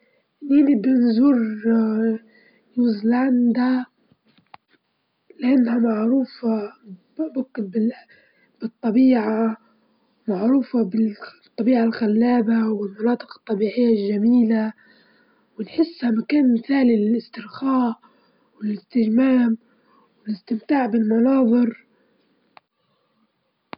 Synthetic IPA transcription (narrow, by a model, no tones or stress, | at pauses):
ʔɪnːihɪnibɪnzuɾ | juzlʕand̪a | lɪʕɪnːhamaʕɾuːfa | bʊkːbɪ | b̥ɨt̪ˤːɑbiːʕa | maʕɾuːfabɪt̪ˤːɑbiːʕalxalːaːbawɪlmɑnɑːt̪ˤɨ̥qɨ̥t̪ˤːɑbiːʕɪjːalʒːamiːla | wɪnħɪsːhamakaːnmɪθaːlɪlɪst̪ɪɾxaːʔ | wɪlɪst̪ɪʒmaːm | wɪlɪst̪ɪmt̪aːʕbɪlmɑnɑːðˤɨɾ